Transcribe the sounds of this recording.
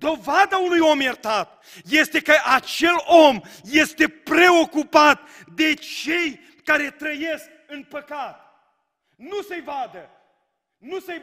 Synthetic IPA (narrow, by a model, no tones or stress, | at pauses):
d̪o̞vad̪aunujo̞mjert̪at̪ | je̞st̪e̞kəʔat͡ʃe̞lo̞mje̞st̪e̞pɾe̞o̞kupat̪̚d̪e̞t͡ʃe̞j | kaɾe̞t̪ɾəje̞sk̚ | ɨnpəkat̪̚ | nusejvad̪ə | nuse